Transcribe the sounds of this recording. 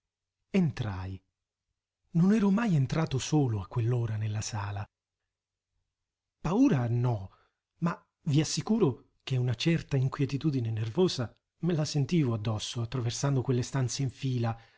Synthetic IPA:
ent̪ɾa̰j | nonɛːɾomajent̪ɾaːt̪osoːloakːwelːoːɾanelːasaːla | pauːɾanɔ | ma | viasːikuːɾo | k̟ɛunat͡ʃɛrt̪aiŋkwjɛt̪it̪uːd̪inenervoːza | melasent̪iːvoad̪ːɔsːoat̪ːɾaversand̪okwelːest̪ant̪seiɱfiːla

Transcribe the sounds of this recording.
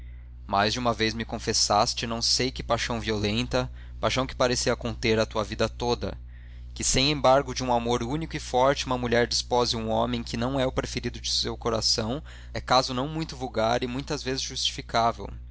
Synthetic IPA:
majzd͡ʒumɐvejzmɪkõfesast͡ʃɪnɐ̃w̃sejkɪpajʃɐ̃w̃violẽnt̪ɐ | pajʃɐ̃w̃kɪ̥paɾesiɐkõnt̪eɾɐt̪uɐvid̪ɐt̪od̪ɐ̰ | kɪsẽj̃ẽbaɾɡʊd͡ʒɪũamoɾunikʊɪfɔɾt͡ʃɪumɐmuʎɛɾd͡ʒispɔzɪũɔ̃mẽj̃kɪnɐ̃w̃ɛʊpɾefeɾid̪ʊd͡ʒɪsewkoɾasɐ̃w̃ | ɛkazʊnɐ̃w̃mũj̃t̪ʊvuwɡaɾɪmũj̃t̪ɐzvezɪzʒust͡ʃi̥fikavḛw

